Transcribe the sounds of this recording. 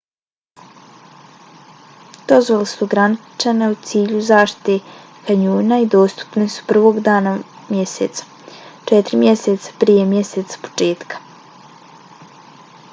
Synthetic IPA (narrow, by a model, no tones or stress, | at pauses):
d̪̥o̞zʋolesuɡɾanit͡ʃaneut̪siːʎuzaːʃt̪i̥t̪e | kaɲuːnaid̪o̞ːst̪u̥pne̞su̥pr̩ʋo̞ɡd̪aːna | mje̞sḛt̪sḁ | t͡ʃet̪ɾimje̞set̪sḁpɾije̞mje̞seːt̪sḁpo̥t͡ʃeːt̪kḁ